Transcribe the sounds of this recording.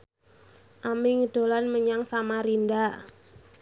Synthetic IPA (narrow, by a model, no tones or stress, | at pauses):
ʔamiŋəɖ̥o̤lanməɲaŋsamaɾindaʔ